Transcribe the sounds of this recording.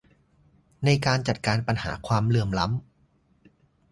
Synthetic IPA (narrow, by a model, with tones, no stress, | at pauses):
na˧jkaː˧nt͡ɕa˨˩t̪̚kaː˧npa˧nha̰ː˩˦kʰwaː˧mlɯ˧əmla˦˥m